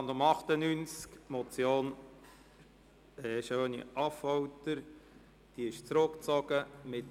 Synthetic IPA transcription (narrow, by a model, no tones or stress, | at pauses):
nd̪ʊmɑχt̪ənynt͡skmɔt͡sjoːn | ɛʃøːnḭʔɑfɔwtəɾ | d̥iɪʃt͡sɾʊkt͡sɔɡ̥əmɪt